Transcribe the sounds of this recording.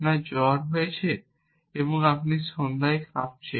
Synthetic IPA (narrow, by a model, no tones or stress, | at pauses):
nad͡ʑɔɾɦojet͡ɕʰe | eboŋapniʃond̪aekʰap̚t͡ɕʰe